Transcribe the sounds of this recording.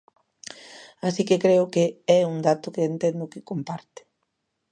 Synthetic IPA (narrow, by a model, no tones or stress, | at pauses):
asikekɾeʊkeɛuŋd̪at̪ʊkeːnt̪ɛnd̪ʊkɪkompaɾt̪e̥